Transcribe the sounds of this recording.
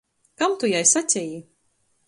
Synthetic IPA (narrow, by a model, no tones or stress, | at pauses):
kamt̪ujajsat͡sʲɛji